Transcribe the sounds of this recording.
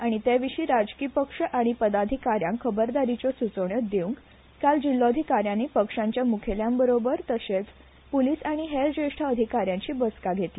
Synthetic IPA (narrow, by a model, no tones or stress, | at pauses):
aɽ̃it̪eʋiɕiːɾad͡ʑkiːpəkʂəʔaɽ̃ipəd̪ad̪ʱikaɾjãŋkʰəbəɾd̪aɾit͡ɕɔsut͡səʋɳjəd̪eũŋk | kald͡ʑilːoəd̪ʱikaɾjãnːiːpəkʂaɲt͡ɕjamukʰeljambəɾobəɾt̪əɕet͡s | poliːsaɽ̃iɦeɾd͡ʑeʂʈʰaəd̪ʱikaɾjãɲt͡ɕiːbəskaɡʱet̪li